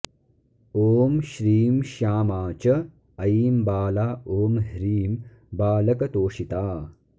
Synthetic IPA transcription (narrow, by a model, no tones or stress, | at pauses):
oːmʃɾiːmʃaːmaːt͡ʃɐ | ɐjiːmbaːlaːoːmɦɾiːm | baːlɐkɐt̪oːʃit̪aː